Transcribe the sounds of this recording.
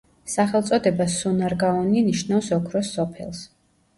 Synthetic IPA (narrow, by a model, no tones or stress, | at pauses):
saχɛlˠt̪sʼɔd̪ɛbasunaɾɡaɔniniʃnafsɔkʰɾɔsɔpʰɛ̰lˠs